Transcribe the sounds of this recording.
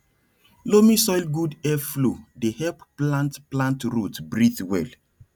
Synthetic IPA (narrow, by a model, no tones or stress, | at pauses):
lomĩsɔjlɡudɛflodehɛlpplãntplãntɾutbɹiθwɛ̰l